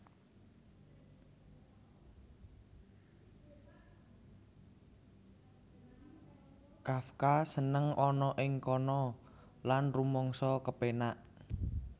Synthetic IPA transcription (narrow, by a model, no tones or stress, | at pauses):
kafkasənəŋɔnɔʔɪŋkɔnɔ | lanrumɔŋsɔkəpenaʔ